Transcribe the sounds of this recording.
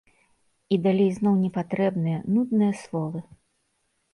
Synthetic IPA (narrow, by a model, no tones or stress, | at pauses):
id̪alʲejznɔwnʲɛpat̪ɾɛbnɨjɐnud̪nɨjɐslˠɔvɨ